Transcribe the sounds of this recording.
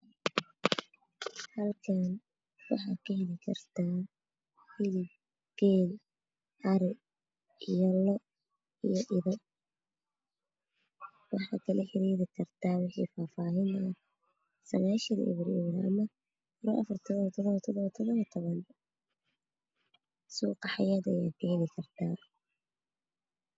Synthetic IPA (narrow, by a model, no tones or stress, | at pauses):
hɐlkʰaːn | wɑħɑːkʰɐhɛlɪkʰɐrt̪ʰaː | hɪlɪb | ɡ̥ɛːl | ʔɐɾɛ | ijɔlɔ | ijɔʔɪðɔ | wɑħɑ̰ːkʰɐlɐħɪɾiːðɪkʰɐrt̪ʰaːwɪħḭfaːfaːɦɪnɐ | sɐɣaːʃɐð̰ʔɛ̰βɾɪ̰βɾʔɐ̰mɐ | ɾɔɐ̰fɐrt̪ʰɔðɔβt̪ʰɔðɔβt̪ʰɔðɔβɐt̪ʰɔðɔβɐt̪ʰɔβɐn | suːqɑħɑjaːd̪ɐjaːkʰɐɦɛlɪkʰɐrt̪ʰaː